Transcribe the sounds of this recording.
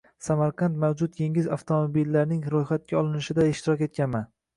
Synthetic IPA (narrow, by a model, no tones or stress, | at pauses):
samaɾqʰɑnt̪mawd͡ʒʊt̪̚je̞ŋɪzaft̪ʰomobilːaɾnɪŋɾojχat̪̚kʲaɒlˠɪnɪʃɪd̪aɪʃt̪ɪɾɒkʲe̞t̪̚kʲanman